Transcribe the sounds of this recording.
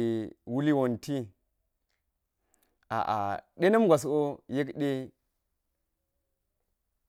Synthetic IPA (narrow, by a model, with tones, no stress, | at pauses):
wu˦li˦wo˨nti˦ | a̰˨ʔa̰˨ɗe˦na˦mɡʷa˨s̬o˦je˦kɗe˦